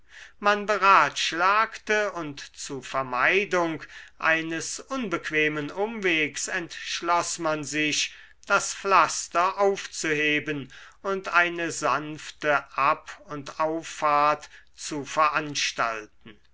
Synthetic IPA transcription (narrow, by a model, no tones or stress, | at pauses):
manbəʁaːtʃlaːktəʊntt͡suɐfɛɐmaɪdʊŋkʔa̰ɪnəsʔʊnbəkv̥eːmənʊmveːksɛntʃlɔsmanzɪʃ | d̥asflastɐʔaʊft͡suheːbən | ʊntaɪnəzanftəʔapʊntaʊfːaɐtt͡sufɛɐʔanʃta̰ltn̩